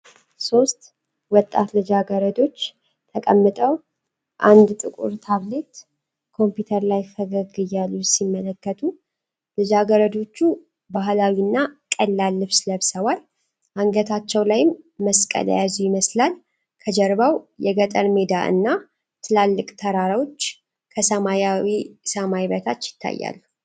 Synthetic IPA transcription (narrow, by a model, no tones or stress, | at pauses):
so̞st̪ | wɔt̪ʼːa̰t̪lɨd͡ʒaɡəɾəd̪o̞t͡ʃː | t̪ʰəkʼəmːɨt̪ʼəw | ʔand̪t̪ʼɨkʼṵɾt̪ʰaβle̞t̪ | kʰo̞mpjut̪ʰəɾlajfʰəɡəɡɨjːalːusimːələkːət̪ʰu | lɨd͡ʒaɡəɾəd̪o̞t͡ʃːu | baɦlawinːakʼəlːalːɨβsləβsəwal | ʔaŋɡət̪ʰat͡ʃːɛwlajɪmːəskʼə̰l̰jazujɪməslal | kʰəd͡ʒəɾbawjɛɡət̪ʼənmed̪aʔɨ̰nːa | t̪ʰɨlalːɨkʼt̪ʰəɾaɾawot͡ʃː | kʰəsəmajawisəmajβət̪ʰat͡ʃːjɪ̥t̪ʰːa̰jːa̰lːu